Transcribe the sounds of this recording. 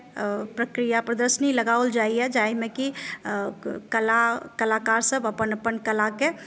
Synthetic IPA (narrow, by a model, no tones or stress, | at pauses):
pɾəkɾijapɾəd̪əɾʃəniləɡaːold͡ʒaːiɦɛd͡ʒaːimẽki | kəlakəlakaːɾsəbəpənəpənkəlake